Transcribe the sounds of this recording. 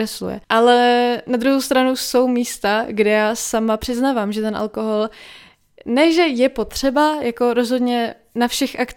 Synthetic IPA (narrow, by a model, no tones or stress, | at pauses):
ɛslṵjɛ̰ʔalɛnad̪ɾuɦo̞wst̪ɾanuso̞wmiːst̪aɡdɛjaːsamapr̝̥ɪznaːvaːmʒɛt̪ɛnʔa̰lko̞ɦo̞l | nɛʒɛjɛpo̞t̪r̝̥ɛbajako̞ɾo̞zɦo̞d̪ɲɛ | nafʃɛxʔak